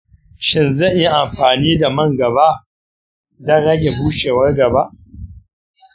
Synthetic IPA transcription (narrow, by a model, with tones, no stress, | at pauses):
ʃɪ˦nzɐ˦˨ɲʔji˦ʔa˨mɸaː˨niː˦da˨mɐ˦ŋɡɐ˨ba˦ʔ | dɐ˦ɽɐ˦ɡʲe˨buː˦ʃeː˨wɐ˦rɡɐ˨ba˦ʔ